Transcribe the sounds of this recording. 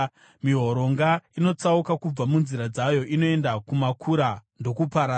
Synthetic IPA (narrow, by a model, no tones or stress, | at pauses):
miɦo̞ɾo̞ŋɡaino̞t͡saukakub͡vamunziɾad͡zajo̞ʔino̞e̞ndakumakʰuɾando̞kupaɾa